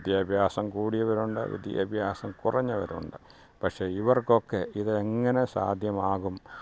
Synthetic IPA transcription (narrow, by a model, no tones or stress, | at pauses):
id̪jɐbʱjaːsɐmkuːɽijɐʋɐɾuɳɖɨ̰ʋḭd̪jɐ̰bʱjaːsɐmkurʔɐɲːɐʋɐɾṵɳɖɨ | pɐkʂe̞iʋɐrko̞kːe̞ʔiðɨeŋːɐne̞sa̰ːd̪ʱjɐmaːɣum